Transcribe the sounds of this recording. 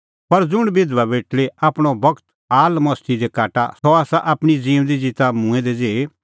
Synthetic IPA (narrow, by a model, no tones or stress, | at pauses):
pɐɾd͡zʊɽ̃bɪd̪ʋabeːʈʰleʔaːpɽ̃obɐɡt̪ | aːlmɐst̪id̪ekaːʈa̰sɔaːsaʔaːpɽ̃id͡zĩːʊ̃d̪id͡zɪt̪amũɛ̃d̪ɛd͡zeːe